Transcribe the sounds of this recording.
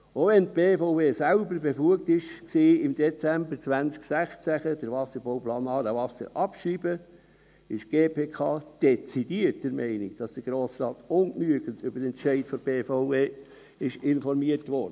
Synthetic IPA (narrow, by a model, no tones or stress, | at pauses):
oʋɛnt̚b̥eːfoʊveːsælbəɾbefluək̚tɪʃksiːɪmdɛt͡sæmbəɾt͡sʋænt͡sksæχt͡sæχəd̥əɾʋɑsəɾbɔʊplɑːnɑːɾəʋɑsə̰ɾʔɑpʃriːbə | ɪʃɡ̥eːpʰeːkʰɑːd̥ɛt͡sidiəɾtdəɾmɛɪnikd̥ɑsd̥əɾɡ̥ɾoːsrɑːtʊnknyəɡəntʰʏbəɾɛnʃɛɪtfɔɾb̥eːfɔʊveː | ɪʃɪnfɔɾmiəɾtʋɔɾdə